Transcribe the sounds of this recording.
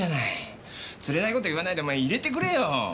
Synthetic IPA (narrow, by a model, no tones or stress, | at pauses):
anai | t͡sɨɾe̞naiko̞t̪oɯβanait̪emaiiɾe̞t̪e̞k̬ɯ̟ɾe̞jo